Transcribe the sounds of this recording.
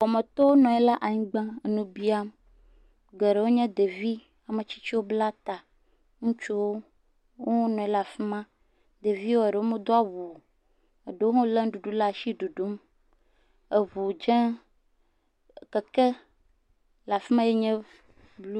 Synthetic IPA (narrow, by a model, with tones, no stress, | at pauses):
wɔ˨mɛ̃˨t̪ɔ˦wo˦nɔ̃˨ɛ˦la˦ʔa˨ɲĩ˦ɡ͡bã˦e˨nũ˦bi˦a˦m | ɡɛ˨ɖe˨wo˦ɲɛ̃˦d̪e˨vi˦ | a˨me˨t͡ɕi̥˦t͡ɕi˦wo˦bla˦t̪a˨ | ŋũ˦t͡ʃu˦wo˦ | wo˦wnɔ̃˨ɛ˦la˨fi˦mã˦ | d̪e˨vi˦wo˦e˨ɖe˨wo˦mẽ˦d̪o˦a˦˨wu˨ | e˨ɖe˨wo˦ɦɔ̃˦lɛ˦ŋ˦ɖu˨ɖu˦la˦˨ʃi˦ɖu˨ɖu˦m | e˨βu˨d͡ʒɛ̃˦˨ | ke˨kɛ˦ | la˨fi˦mã˦je˦ɲɛ̃˦ | blu˦